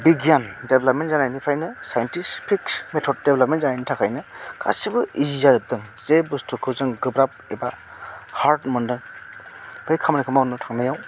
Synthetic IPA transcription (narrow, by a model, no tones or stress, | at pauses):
biɡijandeblɐp̚mentzanajnipʰajnɯsajntʰispʰikmetʰɔd̚deblɐp̚mentzanajnitʰakʰajnɯkʰa̰sibɯizizazɯb̚dɯŋz̥ebustʰukʰɯzɯŋɡɯbɾap̚eba | haɾtmɔndɯŋ | bɯjkʰamnikʰɯmaunɯtʰaŋnajaw